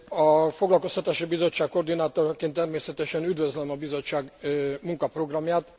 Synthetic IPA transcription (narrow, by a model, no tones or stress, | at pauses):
ɒfo̞ɡlɒlko̞st̪ɒt̪aːʃibizo̞t͡ʃːaːkko̞rd̪inaːt̪o̞rkeːnt̪ːɛrmeːsɛt̪ɛʃɛnyd̪vøzlɛmɒbizo̞t͡ʃːaːɡmuŋkɒpro̞ɡrɒmjaːt̪